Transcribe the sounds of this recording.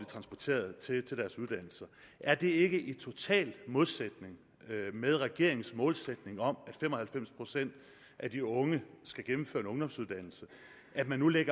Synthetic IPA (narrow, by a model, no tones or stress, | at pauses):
lit͡sʰʁɑ̈nsb̥ɒt͡sʰe̝̰ːɐð̩ˠt͡sʰe̝t͡sʰe̝ld̥æɐsuð̞ˠd̥æn̰l̩sɐ | ʔæɐd̥e̝e̝ɡ̥əʔit͡sʰo̝t͡sʰɛ̰ːlmoðˠsed̥ne̝ŋ | með̞ˠʁɛɡ̥e̝ɐ̰e̝ŋn̩smɔ̽ːlsed̥ne̝ŋɒ̽mæd̥fem̰ɒ̽hælfem̰spʰʁo̝sen̰d̥ | ʔæd̥iɔ̽ŋəsɡ̥æɡ̥emm̩føːɐenɔ̽ŋd̥ɒ̽msuð̞ˠd̥æn̰l̩sə | ʔæd̥mænːuleɡ̥ɐ